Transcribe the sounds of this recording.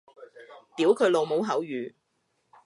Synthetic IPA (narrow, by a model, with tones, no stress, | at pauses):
t̪iː˨˥wkʰɵ˨˧lo˨˧wmo˨˥wɦɐ˨˥wjyː˨